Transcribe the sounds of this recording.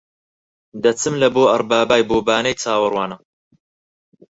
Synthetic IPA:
d̪ɐt͡sɨmlɐboːʔɐrˤbaːbaːjboːbaːnɐjt͡sʰaːwɨrwaːnɐ

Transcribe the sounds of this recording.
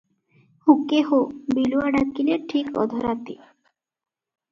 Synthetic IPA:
hukeɦobiluaɖakileʈʰikɔ̰d̪ʱoɾat̪i

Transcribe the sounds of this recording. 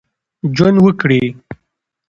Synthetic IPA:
d͡ʒwənwəkɽi

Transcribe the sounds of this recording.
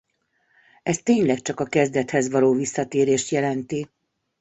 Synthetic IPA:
ɛst̪eːɲlɛkt͡ʃɒkɒkɛzd̪ɛt̪hɛzʋɒloːvisːɒt̪eːɾeːʃt̪jɛlɛnt̪i

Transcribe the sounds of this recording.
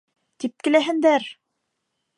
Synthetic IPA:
t̪ip̚kɘ̆læɦɘ̆nd̪æɾ

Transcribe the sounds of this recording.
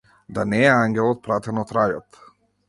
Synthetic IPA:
d̪anɛɛaŋɡʲɛlˠɔt̪̚pɾat̪ɛnɔt̪ɾajɔt̪

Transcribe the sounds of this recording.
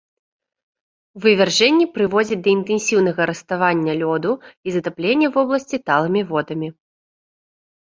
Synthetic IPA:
wvɨvʲarʐɛnʲːipɾɨvɔd͡zʲɐd̪ɐint̪ɛnsʲiwnɐɣɐɾɐst̪avanʲːɐlʲɔd̪uizɐt̪aplʲenʲːɐvɔblˠɐsʲt͡sʲit̪alˠɐmʲivɔd̪ɐmʲi

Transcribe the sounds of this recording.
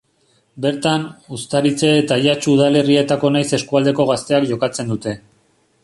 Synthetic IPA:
be̞ɾt̪anust̪aɾit͡se̞ːt̪aʎat͡ʃuuðale̞rie̞t̪ako̞najse̞skuald̪e̞ko̞ɣ̞ast̪e̞akʝo̞kat͡se̞nd̪ut̪e̞

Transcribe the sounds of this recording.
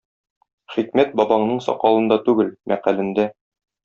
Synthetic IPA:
χikmæt̪̚bɒbɑɴnɤɴsɒ̰qɑlˠɤ̆nd̪ɑt̪ʉɡɘlmʔæqælɘ̆nd̪æ

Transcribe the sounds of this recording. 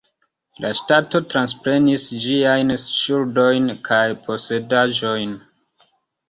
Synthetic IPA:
lʔaʃtato̞tɾanspɾe̞nisd͡ʒiajnʃuldo̞jnkʰajpʰo̞se̞daʒo̞jn

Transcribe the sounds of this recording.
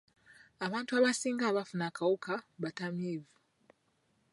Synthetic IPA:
aβaːntuaβasiːŋɡaːβafunakawukʰaβatameːvu

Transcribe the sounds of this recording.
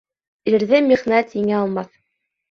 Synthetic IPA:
iɾðɘmiχnæt̪hiŋɘɑlˠmɑθ

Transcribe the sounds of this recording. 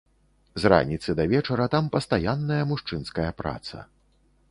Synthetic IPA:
zra̰nʲit̪sɨd̪ɐvʲɛt͡ʂɐɾɐt̪ampɐst̪ajanːɐjɐmuʂt͡ʂɨnskɐjɐpɾa̰t̪sɐ̰

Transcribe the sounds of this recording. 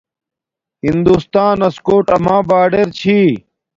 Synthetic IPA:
ɦind̪ust̪aːnɐskoːʈɐmãːbaːɖeɾt͡ɕʰiː

